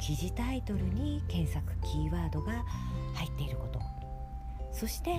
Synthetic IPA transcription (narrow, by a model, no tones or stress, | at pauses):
kʲiʑit̪ait̪o̞ɾɯ̟ɲ̟ikẽ̞ɰ̃sakɯ̟̥kʲiːβaːd̪o̞ɡahait̪ːe̞iɾɯ̟ko̞t̪o̞̰ | so̞ɕi̥t̪e̞